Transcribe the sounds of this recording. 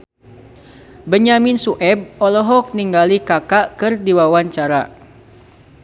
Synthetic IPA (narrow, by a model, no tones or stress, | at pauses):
bəɲaminsuʔɛb̚ɔlɔɦɔk̚niŋɡalikakaʔkɨrdiwawaɲt͡ʃaɾa